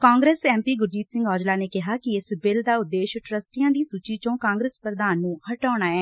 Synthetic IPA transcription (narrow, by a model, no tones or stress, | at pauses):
kãːŋɡɾeːsɛːmpiːɡʊɾd͡ʒiːt̪sɪ̃ŋɡɔːd͡ʒlaːneːkɪɦaːkɪɪsbɪld̪aːʊd̪ːeːʃʈɾəsʈijãːd̪iːsuːt͡ʃiːt͡ʃõːkãːŋɡɾəspɾəd̪aːnːũːhəʈaːɽ̃aːɛː